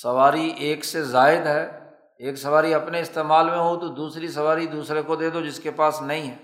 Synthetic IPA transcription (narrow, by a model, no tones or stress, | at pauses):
sɐʋaːɾiʔeːksezaːɪd̪ɦɛː | eːksɐʋaːɾiɐpneɪst̪eːmaːlmẽɦot̪od̪uːsɾisɐʋaːɾid̪uːsɾekod̪eːd̪od͡ʒɪskepaːsnɐɦĩɦɛː